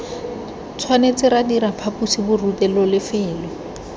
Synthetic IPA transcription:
t͡sʰwanet͡sɪɾadiɾapʰapusibʊrutɛlɔlɪfɪːlɔ

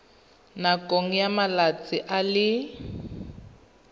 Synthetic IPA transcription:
nakʼoŋ̩jamalat͡sʼɪʔalɪ

